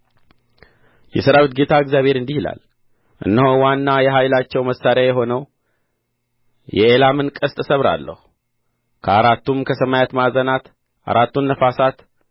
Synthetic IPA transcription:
jɛsəɾawɨt̪̚ɡe̞t̪ʰaɨɡzjaβʱhe̞ɾɨnd̪ihila̰l | ʔɨ̰nːəhowanːajɛɦajlat͡ʃːɛwməsːaɾɪajɛɦo̞nəw | jɛelamɨnkʼəst̪ʼəsəβɾa̰lːə̰hu | kʰəaɾat̪ːumkʰəsəmajat̪mazənat̪ | ʔa̰ɾat̪ːunːəfasat̪

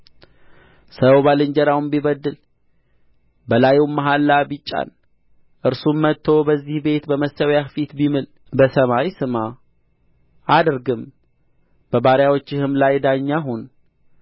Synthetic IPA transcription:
səwbalɨɲd͡ʒəɾawumbiβəd̪ːɨl | bəlajumːaɦalːabit͡ʃʼːa̰n | ʔɨɾsumːət̪ʰːo̞bəzːihbe̞t̪bəməsəwjafit̪bimɨl | bəsəmaɾisɨma | ʔad̪ɾɡɨm | b̥əbaɾjawot͡ʃːɪhɨmlajd̪aɲːaɦun

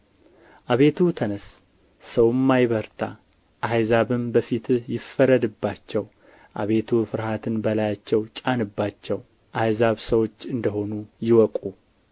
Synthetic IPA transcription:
ʔaβe̞t̪ʰut̪ʰənəs | səwɨmːajβəɾt̪ʰa | ʔajzaβɨmbəfit̪jɪfːəɾəd̪ɨbːat͡ʃːɛw | ʔaβe̞t̪ʰufɨɾhat̪ʰɨnbəlajat͡ʃːɛwt͡ʃʼanɨbːat͡ʃːɛw | ʔajzaβsəwo̞t͡ʃːɨnd̪əɦo̞nujɪwɔkʼu

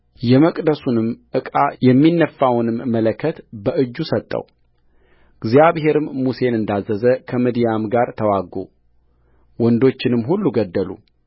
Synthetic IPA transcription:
jɛməkʼd̪əsunɨmʔɨkʼajɛmːinːəfːawnɨmːələkʰːət̪bəʔɨd͡ʒːusət̪ʼːə̰w | ɡzjaβɦe̞ɾɨmːuse̞nɨnd̪azːəzəkʰəmid̪ijamɡaɾt̪ʰəwaɡːṵ | wɔnd̪o̞t͡ʃːɪnɨmɦulːuɡəd̪ːəlṵ

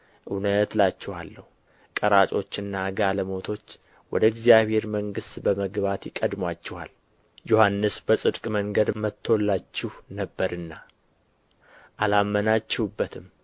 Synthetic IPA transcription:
ʔɨnət̪lat͡ʃːɛhalːəhu | kʼəɾat͡ʃʼo̞t͡ʃːɨnːaɡaləmo̞t̪ʰo̞t͡ʃː | wɔd̪əɪɡzijaβhe̞ɾməŋɡɨst̪bəməɡbat̪jɪkʼəd̪mwat͡ʃːɛha̰l | johanːɨsbəsʼɨd̪kʼməŋɡəd̪mət̪ʰːolːat͡ʃːɪhnəbːəɾɨnːa | ʔalamːənat͡ʃːɛhubːət̪ʰɨm

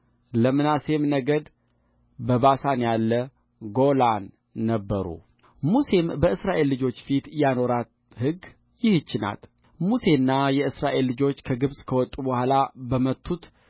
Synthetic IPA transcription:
ləmɨnase̞mnəɡəd̪ | bəbasanjalːə | ɡo̞lanː | əbːəɾṵ | muse̞mbəɨsɾaʔe̞lːɨd͡ʒo̞t͡ʃːfit̪jano̞ɾat̪ | hɨɡ | jɪhɨt͡ʃːɪna̰l | muse̞nːajɛɨsɾaʔe̞lːɨd͡ʒo̞t͡ʃːkʰəɡɨβsʼkʰəwɔt̪ʼːubəhʷalabəmət̪ʰːut̪

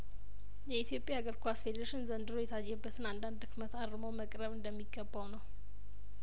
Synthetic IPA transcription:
jɛit̪ʰijo̞pʼjaɡəɾkʰoasfed̪ɾəʃɪnzənd̪ɨɾo̞jɛt̪ʰajːɛbːət̪ʰɨnand̪and̪ɨkmət̪aɾɨmowməkʼɾəβɨnd̪əmːiɡːəbːawnəw

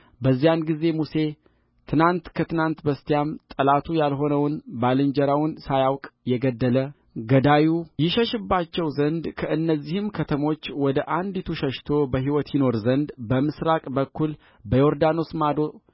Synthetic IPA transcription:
bəzːijanɡize̞muse̞ | t̪ʰɨnant̪kʰət̪ɨnant̪bəst̪ijamt̪ʼəlat̪ʰujalɦo̞nəwnbalɨnd͡ʒɛɾawnsajawkʼjɛɡəd̪ːələ | ɡəd̪ajujɪʃəʃɨbːat͡ʃːɛwzənd̪kʰəʔɨnːəzːihɨmkʰət̪ʰəmo̞t͡ʃːwɔd̪əʔand̪it̪ʰuʃəʃt̪ʰo̞bəɦiwɔt̪jino̞ɾzənd̪bəmɨsɾakʼbəkːul | bəjo̞ɾd̪ano̞smad̪o̞

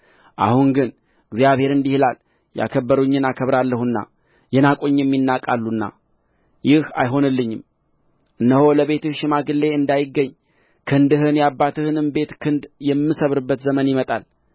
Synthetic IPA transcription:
ʔa̰hunɡɨn | ɨɡzjaβhe̞ɾɨnd̪ihɨlal | ja̰kʰəbːəɾuɲːɨnakʰəβɾalːəhunːa̰ | jɛnakʼoɲːɨmjɪnːakʼalːunːa̰ | jɪha̰jɦo̞nɨlːɨɲːɪm | ʔɨnːəholəβe̞t̪ɨʃɪmaɡɨlːe̞ɨnd̪ajɪɡːəɲː | kʰɨnd̪ɨɦɨnjabːat̪ɨhɨnɨmbe̞t̪kʰɨnd̪jɛmːɨsəβɾɨbːət̪zəmənjɪmət̪ʼal

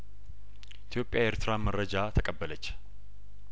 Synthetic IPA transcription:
ʔɪt̪ʰjo̞pʼːjaeɾt̪ʰɨɾaməɾəd͡ʒat̪ʰəkʼəbːələt͡ʃː

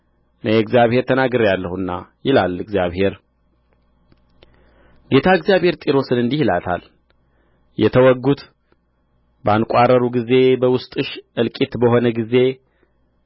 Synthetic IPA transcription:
nəjɛɡzjaβhe̞ɾt̪ʰənaɡɨɾjalːəhunːa̰jɪlalɨɡzjaβhe̞ɾ | ɡe̞t̪ʰaɨɡzjaβhe̞ɾt̪ʼiɾo̞sɨnɨnd̪ihilat̪ʰa̰l | jɛt̪ʰəwɔɡut̪ | bəankʷʼarəɾuɡize̞bəwʊst̪ʼɨʃʔɨlkʼit̪bəɦo̞nəɡize̞

